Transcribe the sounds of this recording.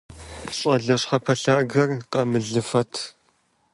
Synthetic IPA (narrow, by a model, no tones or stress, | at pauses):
ɕʼɐɮɐɕχɐpʰɐɬaːɡɐrqɐmɨɮɨfɐtʰ